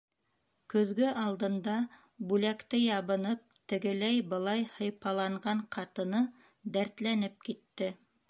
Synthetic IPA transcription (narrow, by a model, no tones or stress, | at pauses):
kɵ̆ðɡɵʔɑlˠd̪ɤ̆nd̪ɑ | bʉlækt̪ɘjɑβɤ̆nɤp̚t̪ɘ̆ɡɘ̆læjbɤ̆lˠɑjhɤ̆jpɑlˠɑɴʁɑɴqʰɑt̪ɤ̆nɤ | d̪æɾt̪lænɘp̚kit̪ːɘ